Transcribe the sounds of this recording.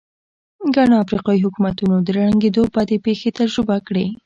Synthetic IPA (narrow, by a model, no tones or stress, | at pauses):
ɡaɽoafɾiqɑiɦʊkumat̪unod̪əɾaɽaŋɡed̪obad̪epexet̪aɾɾubakɽe